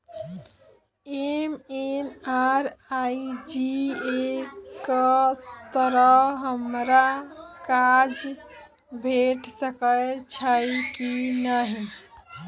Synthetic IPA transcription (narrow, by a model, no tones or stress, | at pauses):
emenaɾaid͡ʒiekət̪əɾəɦəmɾakad͡ʒ | bʱeʈsəkət͡ʃʰəjkinəɦi